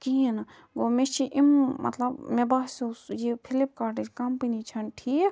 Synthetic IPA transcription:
kin | ɡomet͡ʃʰiʔimmʔɐ̰t̪lɐbmebaːsesjipʰilip̚kaɾʈikɐmpinit͡ʃʰɐnʈʰiːk

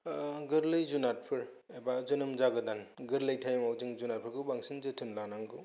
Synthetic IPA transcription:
ɡɯɾlɯjzunat̚pʰɯɾ | ebazɯnɯmzaɡɯdanɡɯɾlɯjtʰajmawzɯŋzunat̚pʰɯɾkɯbaŋsɯnzɯtʰɯnlanaŋɡɯ

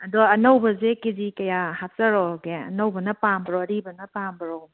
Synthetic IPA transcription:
ɐdɔɐnowbɐzekizikɐjahap̚zɐɾɔɡeɐ̰nowbɐnɐpambɾɔɐɾibɐnɐpambɾɔ

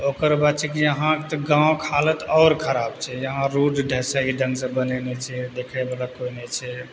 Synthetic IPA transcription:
okəɾbad̪t͡ʃʰɛkejəɦãkt̪ɔɡãõkʰalət̪ɔːɾkʰəɾabt͡ʃʰɛjəɦãɾuɖɖʱɛsaiɖə̃ŋɡsə̃bənɛnɛt͡ʃʰɛd̪ekʰɛbalakoinɛt͡ʃʰɛ

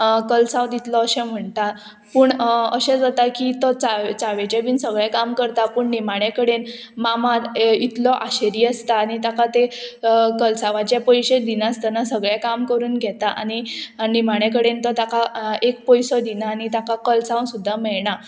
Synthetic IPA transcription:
kəlsãwd̪it̪lɔəɕẽm̤əɳt̪a | puːɳəɕẽt͡sət̪akit̪ɔt͡saʋt͡saʋet͡ɕabiːnsəɡɭɛkamkəɾt̪apuːɳnimaɽ̃ekəɽen | mamaɾit̪lɔʔaɕeɾiːəst̪aːñit̪akat̪e | kəlsaʋãt͡ɕapɔjɕed̪inãst̪anasəɡɭjakamkəɾuːnɡʱɛt̪aʔa̰ninimaɽ̃ekəɽent̪ɔt̪akaek̚pɔjsɔd̪inaːñit̪akakəlsãwsud̪ʱːamɛɭɳa

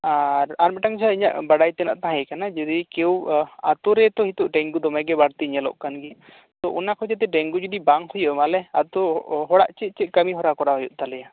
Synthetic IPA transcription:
aɾaɾmɛʈaŋd͡ʒʰaiɲa̰ʔbaɽajt̪ɛna̰ʔt̪aɦãjɛkanad͡ʒɔd̪ikɛwat̪ɔɾɛt̪ɔhit̪uʔɖɛŋɡud̪ɔmɛɡɛbaɽt̪iɲalɔ̰ʔkanɡi | t̪ɔʔunakʰɔd͡ʒɛt̪ɛɖɛŋɡud͡ʒɔd̪ibaŋhujɔʔmalɛat̪ɔɦɔɽa̰ʔt͡ʃɛt̪̚ˀt͡ʃɛt̪̚kəmiɦɔɾakɔɾaɦɔjɔʔt̪alɛja

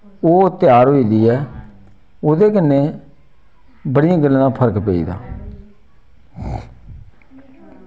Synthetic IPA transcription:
oːt̪ɪjaːɾɦoːiːd̪iːɛː | oːd̪eːkɪnːeː | bəɽijãːɡəlːãːpʰəɾəkpeḭːd̪a̰ː

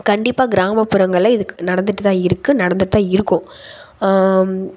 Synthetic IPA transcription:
kɐɳɖɪpːaːɡɪɾaːmɐpːɯɾɐŋɡɐɭɐɪðɯnɐɽɐnd̪ɯʈːɯt̪ãːɪɾɯkːɯnɐɽɐnd̪ɯʈːɯt̪ãːɪɾɯkːʊ̃

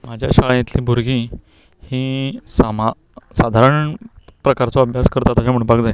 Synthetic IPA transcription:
mad͡ʑʱjaɕaɭjẽt̪liːbʱuɾɡʱĩː | hĩːsama | sad̪ʱaɾəɳpɾəkaɾt͡sɔəbʱjaskəɾt̪at̪əɕam̤əɽ̃baɡd͡zae

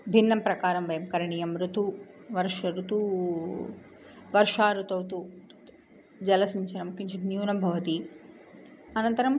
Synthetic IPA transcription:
bʱinːɐmpɾɐkaːɾɐmʋɐjɐmkɐɾɐɳijɐmɾut̪u | ʋɐɾʂɐɾut̪u | ʋɐɾʂaːɾut̪ɐwt̪u | d͡ʒɐlɐsiɲt͡ʃɐnɐmkiɲt͡ʃinjuːnɐmbʱɐʋɐt̪i | ɐnɐnt̪ɐɾɐm

